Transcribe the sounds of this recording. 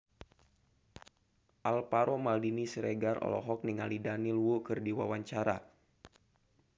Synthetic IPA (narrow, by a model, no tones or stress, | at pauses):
ʔalpaɾɔmaldinisɾeɡaɾɔ̰lɔ̰ɦɔk̚niŋalidanilwukɨrdiwawaɲt͡ʃaɾa